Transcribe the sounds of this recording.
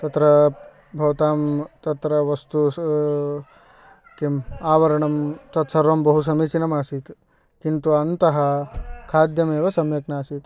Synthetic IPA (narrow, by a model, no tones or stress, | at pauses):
t̪ɐt̪ɾɐ | bʱɐʋɐt̪aːmt̪ɐt̪ɾɐʋɐst̪u | kemaːʋɐɾɐɳɐmt̪ɐt̪sɐɾʋɐmbɐɦus̬ɐmiːt͡ʃinɐmaːsit̪ | kint̪uɐnt̪ɐɦɐ̆kʰaːd̪jɐmeːʋɐsɐmjɐknaːsit̪